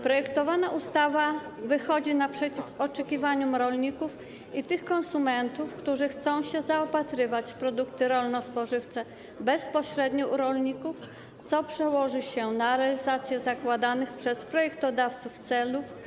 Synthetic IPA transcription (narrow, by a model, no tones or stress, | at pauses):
pɾɔjɛkt̪ɔvanaʔust̪avavɘxɔd͡ʑinapʂɛt͡ɕifɔt͡ʂɛkʲivaɲumɾɔlɲikuf | it̪ɘxkɔnsumɛnt̪ufkt̪uʐɘxt̪sɔ̃w̃ɕɛzaɔpat̪ɾɘvat͡ɕfpɾɔd̪ukt̪ɘɾɔlnɔspɔʐɘft̪sɛ | bɛspɔɕɾɛd̪ɲuʔuɾɔlɲikuf | t̪sɔpʂɛwɔʐɘɕɛnaɾɛalʲizat̪sʲjɛzakwad̪anɘxpʂɛspɾɔjɛkt̪ɔd̪aft̪suft̪sɛluf